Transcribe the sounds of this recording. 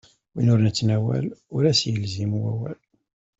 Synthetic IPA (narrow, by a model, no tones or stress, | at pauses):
winʊɾnət͡sːnæwæ̰lʊɾæsjəlzimwæwæl